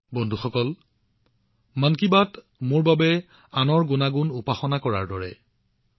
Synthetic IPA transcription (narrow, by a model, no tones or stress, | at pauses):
bɔndʱuxɔkɔl | mankibat | mʊɹbabɛ | anɔɹɡʊnaɡunupaxɔnakɔɹa̰ɹdɔɹɛ̰